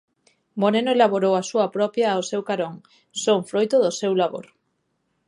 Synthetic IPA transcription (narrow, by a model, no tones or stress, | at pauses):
moɾenoelaβoɾowasuapɾɔpjaosewkaɾoŋ | soŋfɾojt̪ʊðosewlaβo̰ɾ